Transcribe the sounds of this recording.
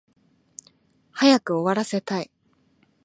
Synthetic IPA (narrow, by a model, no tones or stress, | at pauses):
hajakɯ̟o̞βaɾase̞t̪ai